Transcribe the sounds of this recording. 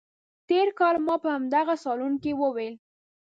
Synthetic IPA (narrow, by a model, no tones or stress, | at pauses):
t̪eɾkɑlmɑpəhamd̪aɣasɑlunkewəwel